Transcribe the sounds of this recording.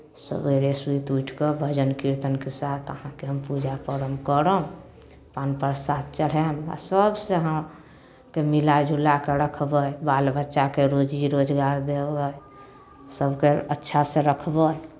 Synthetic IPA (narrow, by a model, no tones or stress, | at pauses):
sə̰beɾesit̪uʈʰkebʱəd͡ʒənkiɾt̪ənkesat̪ʰəɦãkeɦəmpud͡ʒapəɾəmkəɾəm | panpəɾsat̪̚ʰt͡ʃəɽ̤ɛma̰səbsẽɦã | kemilad͡ʒʱulakeɾəkʰbəbalbətːʃakeɾod͡ʒiɾod͡ʒɡaɾd̪ebə | səbkeətːʃʰasẽɾəkʰbə